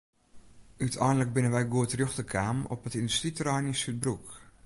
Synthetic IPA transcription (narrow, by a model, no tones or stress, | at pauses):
ʔytʰɛjnlək̚bɪnənʋɛjɡuətrjøxtəkʰaːmɔ̰pətindystritərajnisyt̚bruk